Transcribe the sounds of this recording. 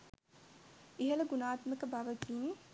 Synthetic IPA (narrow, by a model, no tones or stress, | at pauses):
iɦələɡunaːt̪məkəbaʋəkiːn